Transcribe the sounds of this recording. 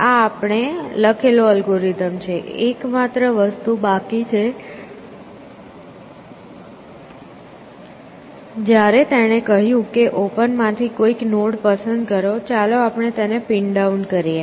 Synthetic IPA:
aːpɳeləkʰeloəlɡoɾit̪əmt͡ʃʰeekmat̪ɾəʋəst̪ubakit͡ʃʰe | d͡ʒjaɾet̪eɽ̃ekəɦjũkeʔopənmãt̪ʰikoiknoɽpəsənd̪kəɾot͡ʃaloapɳ̃et̪enepiɳɖauɳɖkəɾije

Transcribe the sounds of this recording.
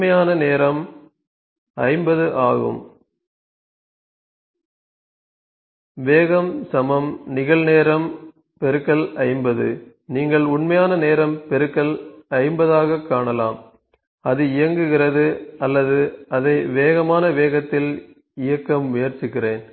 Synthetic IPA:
ɐjaːnɐneːɾɐm | ɐɪmbɐðɯʔaːɣɯ̰m | ʋeːɣɐmsɐmɐmnɪɣɐɭneːɾɐm | pɛɾɯkːɐlɐɻɪmbɐðɯ̰ | niːŋɡɐɭʊɳmɐjaːnɐneːɾɐmpɛɾɯkːɐlɐɻɪmbɐðaːɣɐkːaːɳɐlaːm | ɐðɯɪjɐŋɡɯɣɪrɐðɯɐlːɐðɯɐðɐɪʋeːɣɐmaːnɐʋeːɣɐt̪ːɪl | ɪjɐkːɐmːʊjɐɾt͡ʃːɪɣɪreːn

